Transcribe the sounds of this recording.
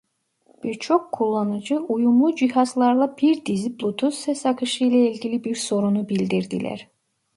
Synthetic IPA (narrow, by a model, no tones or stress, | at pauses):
b̥iɾt͡ʃʰo̞kʰːulˠːɑnɯd͡ʒɯujumlˠud͡ʒihɑzlˠɑɾlˠɑbiɾd̪iziblˠut̪ʰusɛsɑkʰɯʃɯjlˠailʲɟilibiɾso̞ɾunubilʲd̪iɾd̪ilʲæ̰ɾ̥